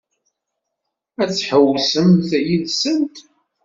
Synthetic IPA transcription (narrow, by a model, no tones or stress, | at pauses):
æt͡sːħəwːsəmθæjilsənt̪